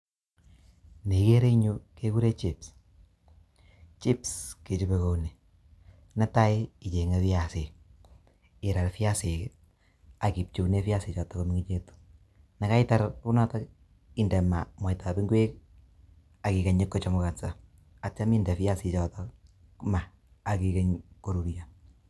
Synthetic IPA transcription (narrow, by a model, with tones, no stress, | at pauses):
ne˨ke˦ɾe˦ɲu˦ke˦ku˦ɾe˦t͡ʃips | t͡ʃi˦pske˨t͡ʃube˨ko˨ne˨ | na˦ta˦ɪi˨t͡ʃe˨ŋefi˦ja˨sɪ˨ | ɪ˨ɾa˨ɾfi˦a˦se˨k | a˨ki˨p̚t͡ʃu˨ne˦fja˦sɪ˨t͡ʃɔ˨tɔ˦ko˦mi˦ŋi˦t͡ʃe˦tu̥ | na˨ka˦ɪta˦ɾku˦nɔ˦ta˦k | i˦ndɛ˨ma˨ma˨ita˨bi˦ŋɡwe˦k | a˨ki˨ka˨ɲɪ˦kːɔ˦t͡ʃɔ˨mu˨ka˨sa˨ | a˨ta˦mi˦ndɛ˨fja˦sɪ˨t͡ʃɔ˨tɔ | ma˨ | a˨ki˨ke˦ɲko˦ɾu˨ɾja